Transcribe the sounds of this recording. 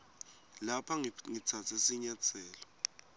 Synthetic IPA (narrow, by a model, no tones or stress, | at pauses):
lapʰaŋit͡sʰat͡sʰɛsiɲat͡sʰɛːlɔ